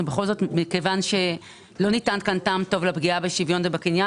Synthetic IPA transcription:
ubeχo̞lzo̞tmikevanʃe̞ | lo̞nitankantaːmto̞vlapɡiabeʃivjo̞nvebakinja

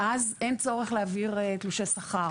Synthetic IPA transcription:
ʔazent͡so̞ʁeχleaviʁt̪luʃesaχaʁ

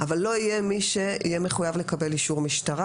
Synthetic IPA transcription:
ʔavalːo̞ije̞miʃe̞ḭjeme̞χujavlekabe̞liʃuʁmiʃtaʁa

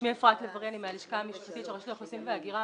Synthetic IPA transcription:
miefʁat̪levaʁianimealiʃkaːmiʃpat̪it̪ʃeʁeʃlieχosimveaɡiʁa

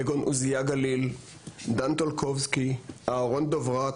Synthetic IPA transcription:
eɡonʔuzijaɡalil | d̪ant̪olkʰɔvskiʔaʁond̪ovʁa

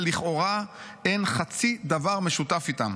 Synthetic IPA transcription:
liχʔo̞ʁa | enχat͡sid̪avaʁmeʃut̪afit̪a̰m

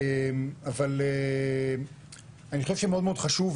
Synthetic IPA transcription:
emavale | aniχoʃevfʃemeo̞d̪meod̪χaʃuv

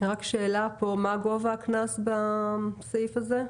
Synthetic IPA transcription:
ʁakʃeːlapo̞maɡo̞vaknasbasifaze

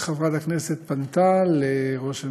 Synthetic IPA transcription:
χavʁat̪akneset̪̚pant̪aleʁo̞ʃa

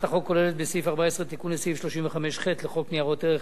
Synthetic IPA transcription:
t̪aχo̞kːo̞lelet̪̚besifaʁbaesʁet̪ikunesifʃlo̞ʃimveχameʃχet̪leχo̞kniaʁo̞t̪eʁe

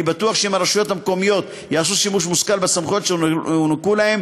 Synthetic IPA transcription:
ibat̪uaχʃeimaɾeʃujo̞t̪hamko̞mijo̞t̪ | jaːsuʃimuʃ̬muskalbesamχo̞t̪ʃeunakulahem

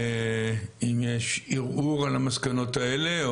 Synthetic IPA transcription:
imjeʃiʁʔuʁalamaskano̞t̪aele

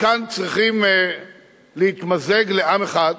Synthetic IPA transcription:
kant͡sʁiχim | lehit̪mazeɡleʔameχad̪

